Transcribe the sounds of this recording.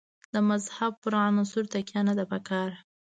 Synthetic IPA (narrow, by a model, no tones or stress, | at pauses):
d̪əmazhab̚pʊɾɑnasuɾt̪akjanad̪apəkɑɾ